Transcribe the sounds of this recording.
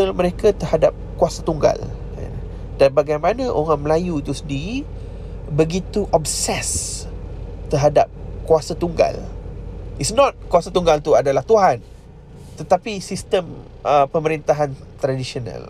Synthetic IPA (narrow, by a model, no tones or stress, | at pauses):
əməɾekat̪ərhada̰p̚kuasat̪uŋɡa̰l | ɛ̰n | danbaɡajmanãʔoŋaʔməlajuit̪usəndiɾi | bəɡit̪uʔɔp̚sɛs | t̪əɦada̰p̚kuasat̪uŋɡa̰l | isnɔt̪̚kwasat̪uŋɡalt̪uadalaht̪uɦan | t̪ət̪apisist̪əm | əpəməɾint̪aɦant̪ɾadisiona̰l